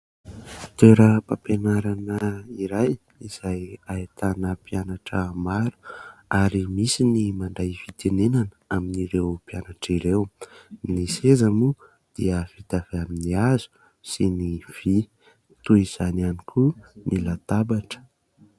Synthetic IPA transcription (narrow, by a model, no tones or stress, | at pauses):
t̪eɾəpapenaɾanəiɾaj | iz̥ajait̪anəpianaʈ͡ʂəmaɾu̥aɾimisinimaɳɖ͡ʐajfit̪enenanəaminiɾewpianaʈ͡ʂiɾewnisezamu | d̪̥iəfid̪avaminiazu̥ | siniv̥i | t̪uiz̥ananikʰunilat̪abaʈ͡ʂə̥